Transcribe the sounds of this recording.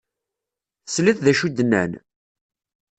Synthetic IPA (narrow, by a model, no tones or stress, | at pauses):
θsliθðæʃud̪ːənːæ̰n